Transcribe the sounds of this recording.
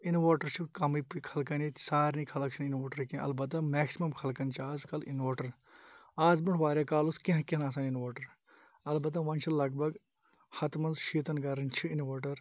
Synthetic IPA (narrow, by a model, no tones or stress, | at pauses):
inʋoːʈɐɾt͡ʃʰukɐmipikʰɐlkɐni̥saːɾnikʰɐlɐkt͡ʃʰininʋoːʈɐɾkĩʔɐ̰lbɐt̪̬ːɐmɛːksimɐmkʰɐlkɐnt͡ʃʰiaːzkɐlḭnʋoːʈɐɾ | aːzbɪɳʈʰʋaːɾʲaːkaːluskẽɦkenaːs̬aːninʋoːʈɐɾ | ɐlbɐt̪̬ɐʋɐnʲt͡ʃʰilɐɡbɐɡ | hɐt̪mɐnzʃiːt̪ɐnɡɐɾɐnt͡ʃʰiinʋoːʈɐɾ